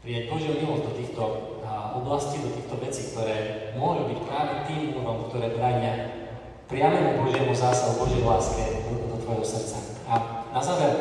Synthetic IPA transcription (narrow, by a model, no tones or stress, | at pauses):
pɾiːjaɟbɔʒɪɔʊɲilɔzd̪ɔt̪iːxt̪ɔ | ɔblasciːd̪ɔt̪iːxt̪ɔʋɛt͡siːkt̪ɔɾɛːmʊɔʒubicpɾaːʋɛt̪iːmuɾɔmkt̪ɔɾɛːbɾaːɲɪa | pɾɪaʋɛmubɔʒɪɛmuzaːsaɦubɔʒjɛjlaːskɛd̪ɔt̪ʋɔjɛɦɔsr̩t̪t͡sa | anazaːʋɛɾ